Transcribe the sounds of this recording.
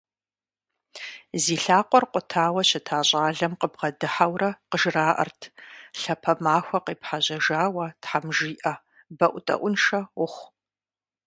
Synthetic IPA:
ziːɬaːqʷʼɔrqʷʼʊtʰaːwɐɕɪtʰaːɕʼaːɮɐmqəbʁɐdɨħawrɐqəʒraːʔɐ̰rtʰɬɐpʰɐmaːxʷɐqeːpħaʑɐʒaːwɐtħamʒiːʔɐ | bɐʔʷʊtʼɐ̰ʔʷʊnʃɐwʊχʷ

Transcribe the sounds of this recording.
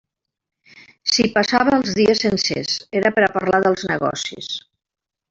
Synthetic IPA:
sipasaβəːlˠzðiəsənsḛzeɾəpəɾapəɾlaðəlˠznəɣɔ̰sḭs

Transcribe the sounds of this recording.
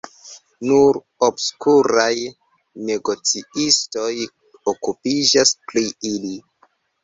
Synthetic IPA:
nuɾ | obskuɾaj | ne̞ɡo̞t͡siisto̞j | okupid͡ʒaspɾiili

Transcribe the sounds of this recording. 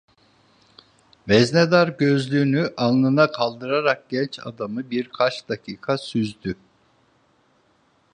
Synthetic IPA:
vɛzned̪aɾɟø̞zlʲyːnyʔanˠlˠɯnakʰalˠd̪ɯɾaɾak̚ɟ̥ɛnt͡ʃa̰d̪amɯbiɾkʰat͡ʃd̪acʰiːkʰasyzd̪y

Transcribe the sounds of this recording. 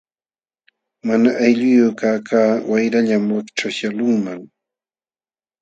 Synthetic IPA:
manaʔajʎʊjʊkaːkʰaːwajɾaʎamwakʈ͡ʂaʃalʊŋmaŋ

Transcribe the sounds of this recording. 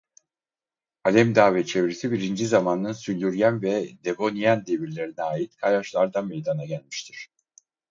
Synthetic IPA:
alʲɛmd̪aːvɛt͡ʃʰevɾisibiɾind͡ʒizamanːɯnsylʲyɾjænvɛd̪e̞bo̞nijænd̪e̞biɾlʲe̞ɾinɛaːjit̪kʰajaʃlˠaɾd̪amejd̪anaɟælʲmiʃt̪ʰiɾ̥

